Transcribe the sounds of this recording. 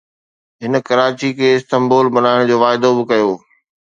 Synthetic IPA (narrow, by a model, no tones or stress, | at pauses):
ɦɪn̆kɐɾaːt͡ɕikʰeːɪst̪ɐmboːlbɐnaːɪɽ̃d͡ʑoːʋaːɪd̪obɪkɐjoː